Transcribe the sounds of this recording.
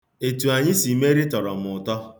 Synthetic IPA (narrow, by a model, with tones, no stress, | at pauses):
e˨tu˨a˨ɲɪ˦si˨me˦ɾi˦tɔ˨ɾɔ˨m̩˨ʊ˨tɔ˦